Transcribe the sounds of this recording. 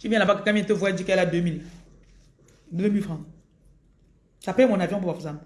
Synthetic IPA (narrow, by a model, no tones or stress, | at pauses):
kivjɛ̃labakakamɛ̃tevɛd͡ʒikɛladømil | demifɾã | sapɛmɔ̃navjɔ̃bobafuzam